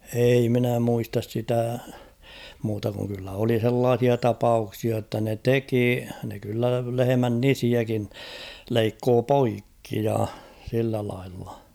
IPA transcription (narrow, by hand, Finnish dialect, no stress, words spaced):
ei minæ muistɑs sitæ muːtɑ kuŋ kylːæ oli h̞elːɑːh̞iɑ tɑpɑuksiɑ tːɑ ne teki ne kylːæ lehemæn nisiækin leikːoː poikːi jɑ silːæ lɑilːɑ̥